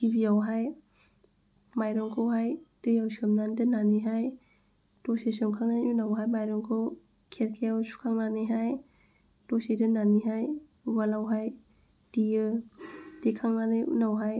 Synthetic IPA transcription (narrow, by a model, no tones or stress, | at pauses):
tibijawɦaj | majɾɔŋkʰɔwɦajd̥ɯjawsiamnandɯnaniɦaj | tosesɯmkʰaŋnajunawɦajmajɾɔŋkʰɯw | kʰeɾkʰejawsu̥kʰaŋnanɯɦaj | tosedɯnaniɦaj | walawɦaj | d̥ijɯ | d̥ekʰaŋnanɯjṵnawɦaj